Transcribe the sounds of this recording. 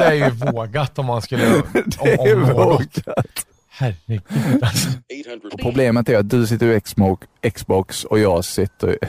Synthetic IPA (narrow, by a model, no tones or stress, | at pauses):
d̪ɛæɾjvoːɡat̪ɔmhanskɵlːəd̪ɛævoːɡat̪ | hæɾ | ɔpʰɾʊbleːmət̪æɾjat̪̚d̪ɵs̬ɪt̪ːəɾɪɛksbɔksɔjɑːɡsɪt̪ːə̰ɾɪ̰